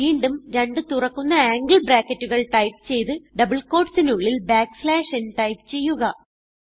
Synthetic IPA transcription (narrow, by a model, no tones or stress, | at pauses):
iːɳɖumɾɐɳɖɨt̪urɐkːunːɐaːŋɡɭbɾaːkːɐtːuɣɐɭʈɐjp̚t͡ɕe̞jt̪ɨɖɐbɐɭko̞ːʈsinuɭːilbaːkslaːʂenʈɐjpt͡ɕe̞jːuɣɐ